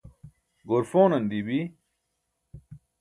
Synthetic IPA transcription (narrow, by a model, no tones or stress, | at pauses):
ɡoɾfoːnɐnd̪ibi